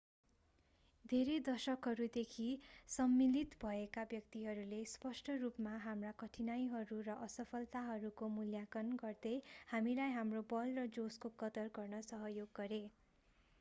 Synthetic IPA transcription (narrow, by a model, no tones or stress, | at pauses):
d̪ʱeɾed̪ʌsʌkɦʌɾud̪ekʰisʌmːilit̪bʱʌekabjʌk̚t̪iɦʌɾulespʌsʈʰʌrupmaɦamrakʌʈʰinajɦʌɾurʌʔʌsʌpʰʌlt̪aɦʌɾukomuljakʌnɡʌrd̪ʌjhamilajɦamrobʌlrʌd͡zoskokʌt̪ʌrɡʌrnʌsʌɦʌjoɡːʌɾe